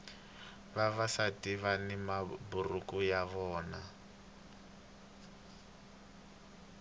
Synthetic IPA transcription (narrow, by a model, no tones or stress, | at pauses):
βaβasatiβanimaburukujaβɔːna